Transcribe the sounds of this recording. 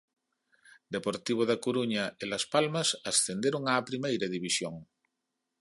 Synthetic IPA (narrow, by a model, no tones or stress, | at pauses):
d̪epoɾt̪iβ̞oðakoɾuɲaelaspalmasasθend̪eɾoŋaːpɾimejɾaðiβ̞isjoŋ